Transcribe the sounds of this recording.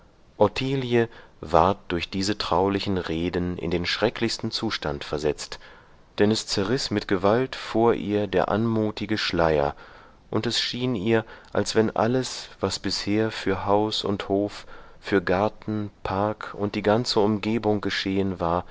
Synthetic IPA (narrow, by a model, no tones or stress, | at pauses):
ʔɔtʰiːljəvaɐt̚d̥ʊɐçd̥iːzətʁ̥aʊlɪçn̩ʁeːdnɪ̰ndeːnʃʁ̥ɛkʰlɪçstn̩t͡suːʃtantfɛɐzɛt͡st | d̥ɛnɛst͡sɛɐʁɪsmɪtɡ̥əvaltfoːɐʔḭːɐdeːɐʔa̰nmuːtɪɡəʃlaɪɐ̰ | ʔʊntɛsʃiːniːɐʔa̰lsv̥ɛnʔa̰ləsv̥asb̥ɪsheːɐfyːɐɦaʊsʊ̰nthoːffyːɐɡaɐtn̩pʰaɐkʊnt̚d̥iːɡant͡səʊmɡeːbʊŋɡəʃeːənvaːɐ